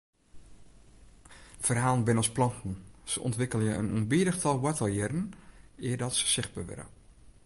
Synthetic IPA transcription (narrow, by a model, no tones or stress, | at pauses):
fərɦaːlˠnbɪnɔsplɔntn̩səʔɔ̰ntʋɪkəlˠjəənuənbiədəxtʰɔlˠwɛtəlˠjɛrn̩ɪədɔtsə̥sɪxt̚bəʋɪ̰ɾə̰